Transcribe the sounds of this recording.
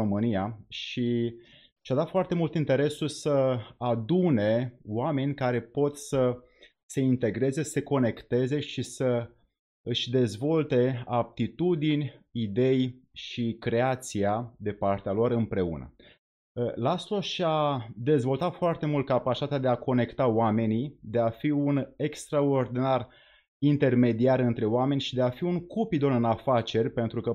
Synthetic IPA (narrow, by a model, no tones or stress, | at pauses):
omɨnijaʃi | ʃiad̪at̪foart̪e̞mult̪int̪e̞ɾe̞sulsəad̪une̞oame̞nʲkaɾe̞po̞t̪sə | se̞int̪e̞ɡɾe̞ze̞sə̥se̞ko̞ne̞kt̪e̞ze̞ʃisə | ɨʃʲd̪e̞zvo̞lt̪e̞ap̚t̪it̪ud̪inʲid̪e̞jʃikɾe̞at̪siad̪epart̪ealo̞rɨmpɾe̞ṵnə̰ | last̪o̞ʃad̪e̞zvo̞lt̪at̪foart̪e̞mult̪̚kapat͡ʃit̪at̪ead̪e̞ako̞ne̞kt̪aoame̞nid̪e̞afiune̞kst̪ɾao̞rd̪inar | int̪e̞rme̞d̪iarɨnt̪ɾe̞oame̞nʲʃid̪e̞afiuŋkupid̪o̞nɨnafat͡ʃe̞rʲpe̞nt̪ɾukə